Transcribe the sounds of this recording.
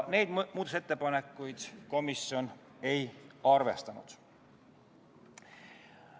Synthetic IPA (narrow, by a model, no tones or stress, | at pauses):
ne̞jd̪muːd̪̥ose̞t̪ːe̞pɑnekːˑujd̪̥ko̞misjo̞n | e̞jɑrvest̪ɑnṵd̪̥